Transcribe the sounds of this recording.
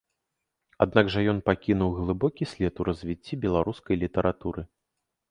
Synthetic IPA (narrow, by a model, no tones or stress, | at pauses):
ad̪naɡʐɐjɔnpakʲinuwɣlˠɨbɔkʲisʲlʲɛt̪uɾɐzʲvʲit͡sʲːibʲɛlˠaɾuskɐjlʲit̪ɐɾʔat̪uɾɨ